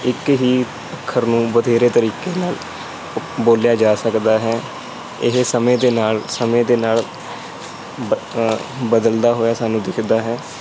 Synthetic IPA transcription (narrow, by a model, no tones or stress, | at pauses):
ɪkɦiː | əkʰːəɾnũːbəd̪ʱeːɾeːt̪əɾiːkeːnaːl | boːljaːd͡ʒaːsəkd̪aːɦɛː | ɪɦsəmẽːd̪eːnaːlsəmẽːd̪eːnaːl | bəd̪əld̪aːɦoːjaːsaːnũːd̪ɪkʰd̪aːɦɛː